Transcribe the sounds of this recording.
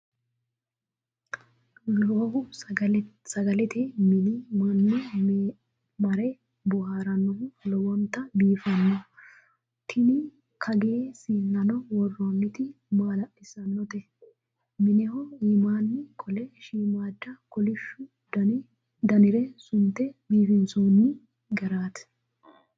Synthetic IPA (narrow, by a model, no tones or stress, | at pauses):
loːhʊ | sɐɡɐlɛt̪ɪmɪnɪmɐnːɔ | mɐɾɛ | bɔɦaːɾɐnːɔhʊlɔwɐnt̪ɐbiːfɐnːɔ | t̪ʰɪnɪ | kʰɐɡeːsiːnːɐnɔwɔrːɐmːɪt̪ɪ | maːlɐʔɪsɐnːɔt̪ɛ | mɪnɛhɔimaːnːɪkʼɔlɛʃiːmaːd̪ːɐkɔlɪʃːʊ | d̪ɐnɪɾɛsʊnt̪ɛbiːfɪnsoːnːɪ | ɡɐɾaːt̪